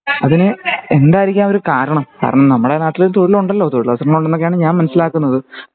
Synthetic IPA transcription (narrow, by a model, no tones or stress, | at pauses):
ɐðinɨe̞nd̪aːjiɾikʲːaːnoɾukaːɾɐɳɐmka̰ːɾɐɳɐmnɐmːuɽelaːt̪ːilit̪o̞ɻiluɳɖɐlːo̞ːt̪oɻilʋɐsɐrɐɳuɳɖe̞nːokːejaːɳɨɲaːnmɐnɐsːilaːkːunːɐðɨ